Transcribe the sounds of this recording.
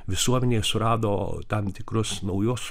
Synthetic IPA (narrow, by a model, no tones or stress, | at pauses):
ʋʲɪsuɔmʲɛnʲeːsʊɾɑːd̪oːt̪ɐmt̪ʲɪkɾʊsnɐʊjoːs